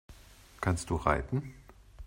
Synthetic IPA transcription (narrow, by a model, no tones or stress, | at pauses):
kʰanst̚d̥uːʁa̰ɪtn̩